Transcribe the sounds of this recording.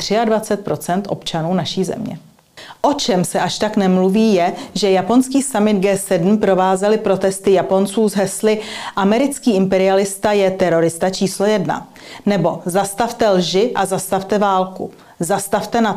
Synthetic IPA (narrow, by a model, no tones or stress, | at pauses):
t̪r̝̥ɪadvat͡sɛt̪̚pɾo̞t͡sɛnt̪ʔo̞̰pt͡ʃanuːnaʃiːzɛ̰mɲɛ̰ | ʔo̞t͡ʃɛmsɛʔaʃt̪aknɛmluviːjɛʒɛjapo̞nskiːsamɪd̪ɡɛːsɛdm̩pɾo̞vaːzɛlɪpɾo̞t̪ɛst̪ɪjapo̞nt͡suːzɦɛslɪʔamɛɾɪt͡skiːɪmpɛɾɪalɪst̪ajɛt̪ɛɾo̞ɾɪst̪at͡ʃiːslo̞jɛdna̰ | nɛbo̞zast̪aft̪ɛlʒɪʔazast̪aft̪ɛvaːlkṵ | zast̪aft̪ɛna